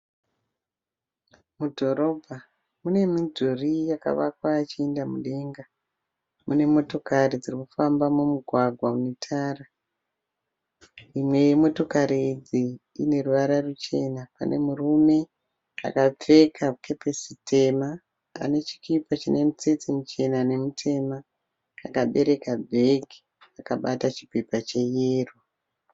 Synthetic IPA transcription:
mudʱo̞ɾo̞ːbʱa | mune̞mid͡zurijaka̰ʋakwaːt͡ʃiendamuɗe̞ŋɡa | mune̞mo̞to̞karid͡zirikufambamumuɡʱwaɡʱwaunetʰaːra | imwe̞jemo̞to̞kaɾiːd͡zi | ine̞ruʋaɾarut͡ʃe̞napa̰nʔe̞̰murume̞ | a̰kap͡fe̞kʰake̞pesitʰe̞ma | a̰ne̞t͡ʃi̥kipat͡ʃine̞mut͡set͡simut͡ʃe̞nane̞mutʰe̞ma | akaɓe̞ɾe̞kabʱeɡi̥ | akaɓatat͡ʃi̥pepat͡ʃe̞jeːro

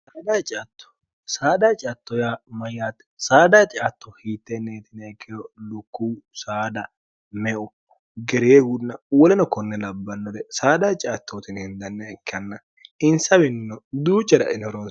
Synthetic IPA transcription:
saːd̪aːt͡ʃʼɐt̪ːɔ̥ | saːd̪aːt͡ʃʼɐt̪ːɔjamɐjːaːt̪ːɛ̥saːd̪aːt͡ʃʼɐt̪ːɔhiːt̪ːɛnːeːt̪ɪnɛkʰːɛjɔlʊkːuːsaːd̪ɐ | mɛʔʊ | ɡɛɾɪjeːɡʊnɐwɔlɛnɔkɔnːɛlɐbːɐnːɔd̪ɛsaːd̪aːt͡ʃʼɐt̪ːoːt̪ɪnhɪnd̪ɐnːɛɪkːɐnːɐ | ɪnsɐwɪnnɔd̪uːt͡ʃʼːɐdɐ̰ʔɪnɔɾɔn

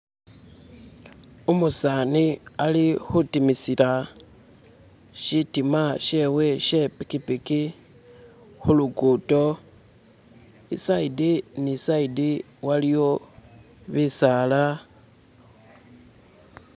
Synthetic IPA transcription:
umusanialixutimisila | ʃitimaʃewe̞ʃe̞pikipiki | xuluɡuto̞ | ḭsaidinisaidi | walijo̞ | βisala

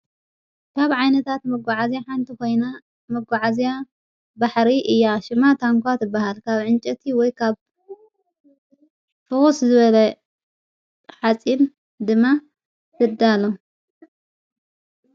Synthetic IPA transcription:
kʰaβʕajnɐt̪ʰat̪mɐɡʕazjaħant̪ʰiko̞jna | mɐɡaʕazija | baħɾiʔɨjːaʃɪmat̪ʰaŋkʰʷat̪ɨbːahalkʰaβʕɨnt͡ʃʼɐt̪ʰiwɔjkʰaβ | fɨxuszɨβɐlɐ | ħat͡sʼin | d̪ɨmːa | zɨd̪alo

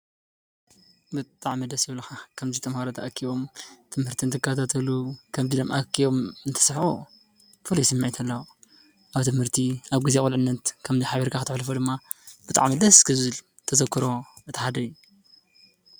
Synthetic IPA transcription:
bɨt̪ʼaʕmid̪ɐsjɪβlɐxakʰɐmzit̪ʰʼɐmhaɾot̪ʰɐʔɐkʰːiβo̞mt̪ʰɨmhɨɾt̪ʰint̪ʰɨkʰːat̪ʰat̪ʰɐlukʰɐmzid̪omʔakʰːiβomɨnt̪ʰɨ̥sħo | pʰolisimːajt̪ʰɐlːɐw | ʔaβt̪ʰɨmhɨɾt̪ʰiaβɡizekʼulʕɨnːɐt̪kʰɐmziħaβiɾkʰaxɨt̪ʰɨħlfod̪ɨmːab̥ɨt̪ʼa̰ʕmid̪ɐskʰɨzɨl | t̪ʰɐzɐkʰːɨɾo̞ɨt̪iħad̪ɐjːu

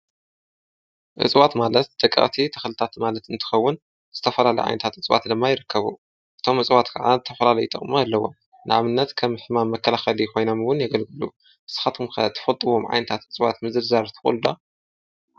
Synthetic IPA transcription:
ʔɨ̰t͡sʼwat̪malɐt̪d̪ɐkʼːɐ̰ʔʼt̪ʰit̪ʰɐxlɨt̪ʰat̪malɐt̪ɨnt̪ʰɨ̥xɐwːʊn | z̥ɨt̪ʰɐfɐlalɐjʕa̰jnɐt̪ʰat̪ɨt͡sʼwa̰t̪d̪ɨmːajɪɾɨkːɐβu | ʔɨt̪ʰo̞mʔɨt͡sʼwat̪kʰɐʕa̰zɨt̪ʰɐfɐlalɐjut̪ʼɐ̰χʼmaalːɐwo̰m | nɨʕaβɨnːɐt̪kʰɐmːɨħmamːɐkʰːɐlaxɐlixo̞jnomwʊnjɐɡɐlɡɨlu | ʔɨsɨ̥xat̪ʰɨmxʰɐt̪ʰɨ̥fɐlt̪ʼɨβo̞mʕa̰jnɐt̪ʰat̪ɨt͡sʼɨwat̪mɨzɨɾzaɾt̪ʰɨkʼṵld̪a

